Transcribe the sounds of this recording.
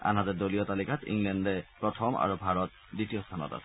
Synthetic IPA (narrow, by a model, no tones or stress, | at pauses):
a̰nɦatɛdolijɔtalikatḭŋlɛndɛpɹɔtʰɔmʔa̰ɹubʱaɹɔt̚ditijɔstʰanɔ̰ta̰sɛ̥